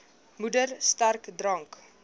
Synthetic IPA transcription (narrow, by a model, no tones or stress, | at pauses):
mudərstærkdrɐŋk